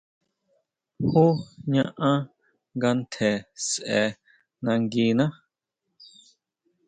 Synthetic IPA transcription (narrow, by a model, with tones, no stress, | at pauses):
hu˦ɲã˧ʔã˦ | ŋɡa˧nt̪ʰe˨sʔɛ˨ | nã˧ŋɡi˧nã˦